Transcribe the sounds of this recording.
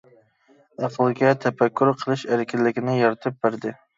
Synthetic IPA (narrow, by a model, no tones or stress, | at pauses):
æqʰəlˠɡʲɛt̪ʰɛfækʲːuɾqʰəlˠɨʃæɾɪkʲɪlːɪkʲinɪjɑɾt̪ʰɨp̚bæɾd̪ɪ